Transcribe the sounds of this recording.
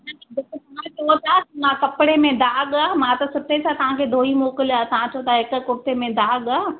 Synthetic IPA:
nadekt̪ɐãt͡ʃʰoːt̪aːmãkɐpɽemẽd̪aːɠaːmãt̪ɐsʊʈʰesat̪ɐʋ̤ãkʰed̪ʱoːimoːkəlaːt̪ɐʋãt͡ɕʰoːt̪aɪkkʊʈemẽd̪aːɠaː

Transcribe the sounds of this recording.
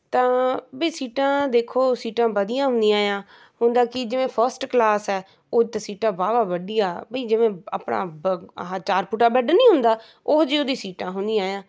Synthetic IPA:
t̪ãːbiːsiːʈãːd̪eːkʰːoːsiːʈãːʋəd̪ijãːɦʊ̃nd̪ĩaːjãː | hʊnd̪aːkɪd͡ʒɪʋẽːpʰəɾsʈklaːsɛː | ʊt̪ːsiːʈãːbaːbaːʋəɖɪjaːbiːd͡ʒɪʋẽːa̰pɳa̰ːãːt͡ʃaːɾpʊʈaːbɛːɖnĩːɦʊ̃nd̪aː | oːd͡ʒiːoːd̪iːsiːʈãːɦʊnd̪iaːjãː

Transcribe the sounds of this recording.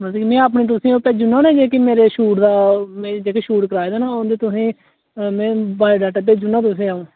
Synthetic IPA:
məsimɛ̃ːaːp̬nẽːt̪ʊsĩːoːpɛːd͡ʒʊnaːnẽːd͡ʒeːkimeːɾeːʃuːʈd̪aːmɛ̃d͡ʒeːkeʃuːʈkəɾaːeːd̪aːnaːoːd̪eːt̪ʊsĩː | mɛ̃ːbaːiɖaːʈɛːp̬eːd͡ʒʊnːãːt̪̬ʊs̬ĩːaːõː

